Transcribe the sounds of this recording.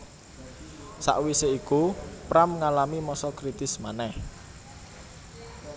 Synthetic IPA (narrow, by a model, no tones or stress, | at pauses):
sa̰ʔwiseikupɾamŋalamimɔsɔkɾit̪ɪsmanɛh